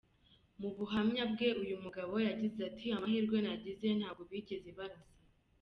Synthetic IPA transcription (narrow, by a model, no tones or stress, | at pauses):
muβuɦamɲab̚ɡe̞ʔujumuɡaβo̞jaɟizeatʰiamahiɾɡwe̞naɟize̞n̥haːb̚ɡoβiɟiziβaɾasḁ